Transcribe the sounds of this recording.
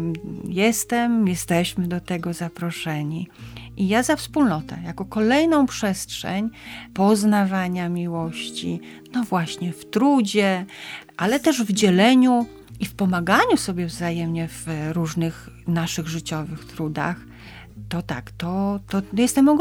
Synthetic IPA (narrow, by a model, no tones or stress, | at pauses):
jɛst̪ɛmjɛst̪ɛɕmɘd̪ɔt̪ɛɡɔzapɾɔʂɛɲiʔijazafspulnɔt̪ɛ̰jakɔkɔlɛjnɔ̃w̃pʂɛstʂɛ̰ɲpɔznavaɲamʲiwɔɕt͡ɕḭ | nɔvwaɕɲɛft̪ɾud͡ʑɛʔalɛt̪ɛʐvd͡ʑɛlɛɲu | ifpɔmaɡaɲusɔbʲjɛvzajɛmɲɛv̥ɾuʐnɘx | naʂɘɣʐɘt͡ɕɔvɘxt̪ɾud̪a̰x | t̪ɔt̪akt̪ɔt̪ɔjɛst̪ɛmɔɡ